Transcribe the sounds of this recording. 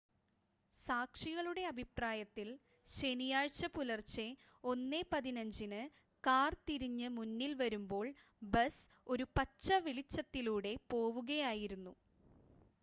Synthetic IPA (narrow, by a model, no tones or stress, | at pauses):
saːkʂiɣɐɭuɽe̞ɐbʱipraːjɐt̪ːil | ɕe̞nijaːɻt͡ɕːɐpulɐrt͡ɕe | o̞nːepɐðinɐɲd͡ʑinɨ | kaːrt̪iɾiɲːɨmunːilʋɐɾumbo̞ːɭ | bɐs | o̞ɾupɐt͡ɕːɐʋiɭit͡ɕːɐt̪ːiluːɽe̞po̞ːʋuɣɐjaːjiɾunːu